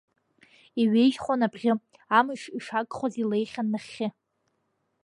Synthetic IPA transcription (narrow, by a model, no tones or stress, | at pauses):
iɥejʒχʷonabʁʲɪ | amɨʂiʂakʼχozile̞jχʲanmaχʲːɪ